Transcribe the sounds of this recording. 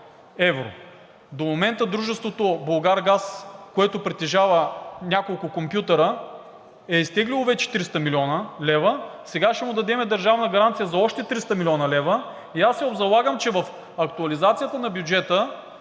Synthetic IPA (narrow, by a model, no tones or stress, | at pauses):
ɛvɾo̰ | d̪omomɛnt̪əd̪ɾuʒɛst̪vot̪obɐlˠɡaɾɡaskoɛt̪opɾɛt̪ːɛʒavənʲakolˠkʊkompjut̪ɐɾə | ɛist̪ɛɡlʲilˠovɛt͡ʃɛ̥t̪ɾist̪əmilʲɔnəlɛvəsɛɡaʃɛmʊd̪ɐd̪ɛmɛd̪ɐɾʒavnəɡɐɾant̪sijəzɐɔʃt̪ɛt̪ɾist̪ɐmilʲɔnɐlɛvə | iasːɛobzɐlˠaɡəmt͡ʃɛvɐf | ɐkt̪uɐlizat̪sijət̪ənɐbjud͡ʒɛt̪ə